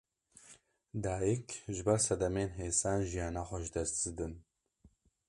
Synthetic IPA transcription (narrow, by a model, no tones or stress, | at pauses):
d̪aːjikʒɨbɛɾsɐd̪ɐmeːnɦeːsaːnʒijaːnaːxʷɛʒd̪ɛst̪d̪ɨd̪ɨn